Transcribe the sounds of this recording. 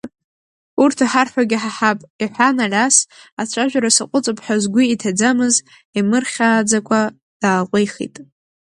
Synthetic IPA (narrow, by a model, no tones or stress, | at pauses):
urtʰaħarħʷaɡʲɪħaħapʼiħʷanalʲasat͡ɕʷʰaʒᶣʷaɾasɨqʷʼʊt͡sʼɨpʰʼħazɡʷiitʰad͡zamɨz | imɨrχʲaːd͡zakʷʰʼa | d̥aːqʷʼejχḭtʼ